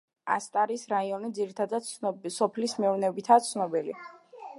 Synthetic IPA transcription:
a̰st̪ʼaɾisɾaiɔnid̪ziɾit̪ʰad̪asɔpʰlismɛɔvnɛbit̪ʰat̪sʰnɔbɛlḭ

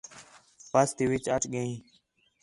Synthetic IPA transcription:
pəst̪iːʋɪt͡ʃəʈɠəĩː

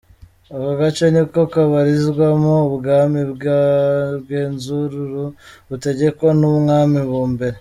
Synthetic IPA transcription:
aβaɡat͡ʃonikokaβaɾizɡwamoːβɡamibɡaɡeːnzuɾuɾuβuteɟe̞konumŋaːmiβuːmbe̞ɾe

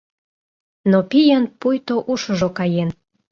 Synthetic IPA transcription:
nopijənpujt̪oʔuʃə̆ʒokɑjen

